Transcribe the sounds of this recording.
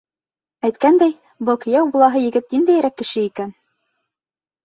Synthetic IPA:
æjt̪̚kænd̪æj | bɤ̆lˠkɤ̆jæwbulˠɑɦɤjɘ̆ɡɘt̪̚nind̪æjɾækːɘ̆ʃɘikæn

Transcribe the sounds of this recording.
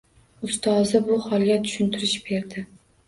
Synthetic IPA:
ʊst̪ʰɒzɪbʊhɒlˠɡʲat̪ʰʊ̥ʃɪnt̪ʰɪɾɪʃb̥e̞ɾd̪ɪ

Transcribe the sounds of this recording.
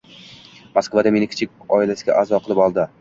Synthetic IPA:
maskvad̪amenɪkʰʲɪ̥t͡ʃʰɪk̚ʲɒɪlasɪɡʲa̰ʔazɒqʰɨlˠɪpɒlˠd̪ɪ

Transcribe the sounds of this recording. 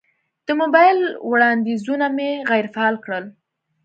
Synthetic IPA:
d̪̥əmobɑjlwɽɑnd̪izunameɣajɾfaɑlkɽəl

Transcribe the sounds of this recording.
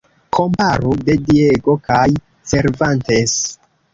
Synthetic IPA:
kʰo̞mpaɾude̞dieɡo̞kaj | se̞ɾvantes

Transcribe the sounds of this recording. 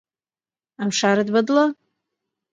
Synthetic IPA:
amʂaɾɨdbadla

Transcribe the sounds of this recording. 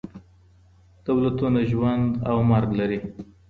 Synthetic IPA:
d̪̥awlat̪unaʒwand̪awmaɾɡlaɾi

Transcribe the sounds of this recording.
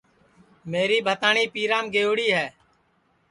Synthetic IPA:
meːɾiːbʱət̪aːɳiːpiːɾãːmɡeːʊːɽiːɦɛː

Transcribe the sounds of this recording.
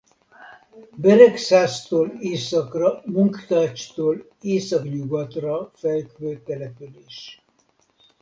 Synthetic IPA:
bɛɾɛksaːst̪oːleːsɒkrɒmuŋkt̪aːt͡ʃt̪oːl | eːsɒkɲuɡɒt̪rɒfɛlkvøːt̪ɛlɛpyleːʃ

